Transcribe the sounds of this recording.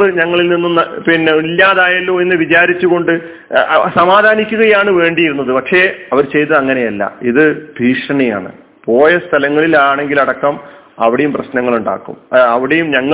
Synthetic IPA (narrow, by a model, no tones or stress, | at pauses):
ɨɲɐŋːɐɭilninːunɐpinːilːaːðaːjɐlːoːenːɨʋit͡ɕaːɾit͡ɕːuɣo̞ɳɖɨ | sɐmaːd̪ʱaːnikʲːuɣɐjaːɳɨʋe̞ːɳɖijiɾunːɐðɨpɐkʂe̞ːɐʋɐɾt͡ɕe̞jt̪ɐðɐŋːɐne̞jɐlːɐ̰iðɨbʱiːʂɐɳɐja̰ːɳɨ̰ | po̞ːjɐst̪ʰɐlɐŋːɐɭilaːɳe̞ŋɡilɐɽɐkːɐm | ɐʋiɽejumprɐɕnɐŋːɐɭuɳɖa̰ːkːṵmɐʋiɽejumɲɐŋːɐ